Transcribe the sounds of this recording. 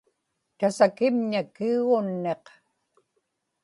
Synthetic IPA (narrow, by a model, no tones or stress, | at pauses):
t̪asakɪmɲakiuɣʊnːe̞q